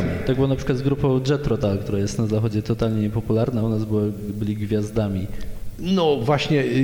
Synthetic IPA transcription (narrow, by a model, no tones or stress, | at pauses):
t̪ɔɡ̚bɘwɔnapʂɘkwad̪ɡɾupɔ̃w̃dʐɛt̪ɾɔt̪alk̚t̪uɾajɛst̪nazaxɔd͡ʑɛt̪ɔt̪alɲɛɲɛpɔpulaɾnaunazbɘwbɘlʲiɡvʲjazd̪amʲinɔvwaɕɲɛ